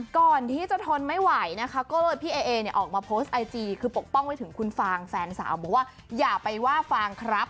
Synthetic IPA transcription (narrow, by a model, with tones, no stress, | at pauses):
kɔː˨˩nt̪ʰiː˥˩t͡ɕa˨˩t̪ʰo˧nma˥˩jwa˨˦jna˦˥kʰa˦˥kɔː˥˩lɤː˧jpʰiː˧˩ʔeː˧ʔeː˧ni˨˩ɐʔɔː˨˩k̚maː˧pʰoː˦˥st̪̚ʔa˧jt͡ɕiː˧kʰɯː˧po˨˩k̚pɔ˥˩ŋpaː˧˩jtʰɯ˩˦ŋkʰu˧nfaː˧ŋfɛː˧nsa̰ː˩˦wbɔː˨˩waː˥˩ | jaː˨˩pa˧jwaː˥˩faː˧ŋkʰɾa˦˥p̚